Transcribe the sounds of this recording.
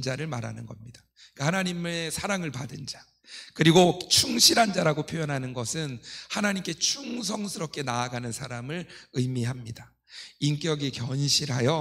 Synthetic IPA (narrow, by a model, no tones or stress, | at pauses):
d͡ʑaɾɯɭmaɾa̰nɯnɡʌmɲidḁ | kahanaɲimesʰaɾaŋɯɭpadɯnd͡ʑa | kɯɾiɡot͡ɕʰuŋɕʰiɾɦand͡ʑaɾaɡopʰjojʌnɦanɯnɡʌsʰɯnhanaɲimk͈e̞t͡ɕʰuŋs̬ʰʌŋsʰɯɾʌp̚k͈e̞naːɡanɯnsʰaɾamɯɭɯjmiɦamɲida | ink͈jʌɡikjʌnɕʰiɾɦajʌ